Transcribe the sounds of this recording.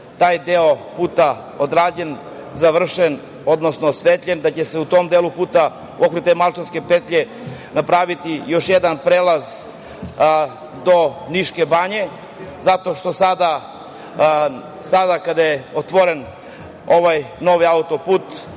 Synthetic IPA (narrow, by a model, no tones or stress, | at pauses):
t̪aːjd̪eopuːt̪a | od̪ɾaːd͡ʑen | zaʋr̩ʃen | o̞d̪nosnosʋet̪ʎʲend̪at͡ɕese̞ut̪omd̪elupuːt̪a | okɾet̪emalˠt͡ʃanske̞pet̪ʎe | napɾaːʋit̪ijo̞ʃjed̪anpɾelˠaz | d̪oniʃkebaɲe̞ | zat̪oʃt̪o̞sad̪a | sad̪akad̪ajeot̪ʋoɾen | o̞ʋajno̞ʋiaut̪o̞puːt̪